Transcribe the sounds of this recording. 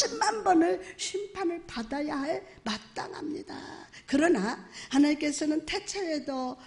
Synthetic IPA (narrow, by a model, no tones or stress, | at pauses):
imːanbʌnɯɕʰimpʰanɯɭpadajaɦaɭmat͈a̰ŋɦa̰mɲida̰kɯɾʌnahanaɲink͈e̞sʰʌnɯntʰet͡ɕʰeedʌ